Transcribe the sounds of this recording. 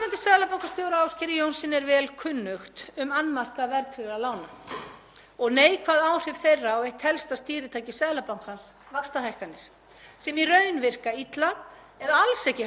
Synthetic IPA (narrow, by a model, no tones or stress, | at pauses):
ɾant̪ɪsɛðlapawŋkast̪ɔːwɾaawscɪɾɪjownsɪnɛɾvɛːlkʰʏnːʏxt̪ʏmanːmar̥kavɛɾt̪ʰɾɪɾalaːwna | ɔɣneːjkʰvaːðaːwr̥ɪv̥θejrːaɔejht̪hɛlst̪ast̪iːɾɪt̪ʰaːjcɪsɛðlapawŋ̥khans | vakst̪aɦajhkanːɪɾ̥ | sɛmirœːɥnvɪr̥kait̪la | ɛðaalsɛcɪ